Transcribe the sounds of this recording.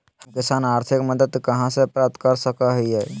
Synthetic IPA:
hũkisanaɾt̪ʰikməd̪əd̪kəɦãsəpɾap̚t̪kaɾsəkaɦijaj

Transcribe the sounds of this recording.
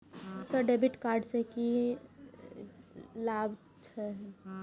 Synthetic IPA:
səɖebiʈkaːɾɖseki | lab | t͡ʃʰɛɦ

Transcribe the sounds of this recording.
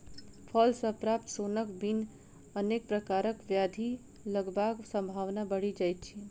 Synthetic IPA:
pʰəlsəpɾap̚t̪sonəkbin | ənek̚pɾəkaɾəkʋjad̪ʱi | ləɡbaksə̃mbʱaʋnabəɽid͡ʒajt̪̚t͡ʃʰi

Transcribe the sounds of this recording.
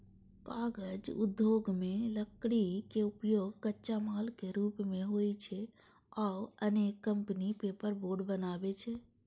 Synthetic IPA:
kaːɡəd͡ʒʊ̰d̪ʱːjoɡmẽləkɽikeupjoɡkətːt͡ʃamaːlkeɾuːpmẽɦoit͡ʃʰɛ | aəneːkːəmpnipepəɾboːɖbənaːbet͡ʃʰɛ

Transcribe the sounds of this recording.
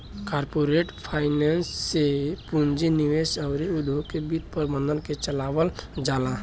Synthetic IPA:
kaːɾpoɾeʈpʰaɪnensːepund͡ʒiniʋesəʊɾiud̪ʱokebit̪̚pəɾbə̃nd̪ʱənket͡ʃəlaːwəld͡ʒala

